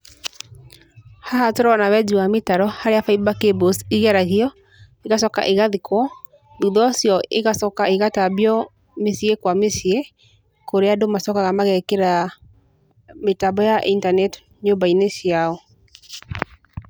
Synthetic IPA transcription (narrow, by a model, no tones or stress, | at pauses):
haɦatoɾɔɔnawɛd͡ʒuwametaɾɔhaɾeafaibakebosiɣɛɾaɣiɔ | eɣasɔka̰ʔeɣaðikwɔ | ðuðɔsjɔʔeɣasɔkaeɣatabiɔ | mesiekwamesie | koɾeadomasɔkaɣamaɣɛkeɾa | metabɔjaʔintanɛt | ɲombainesjaɔ